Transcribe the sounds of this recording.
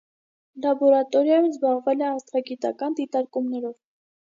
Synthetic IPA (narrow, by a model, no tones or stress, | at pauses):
lɑbɔɾɑt̪ɔɾjɑjumzbɑʁvɛlɛɑst̪ʰʁɑɡit̪ɑ̰kɑnd̪it̪ɑɾkumnɛɾɔv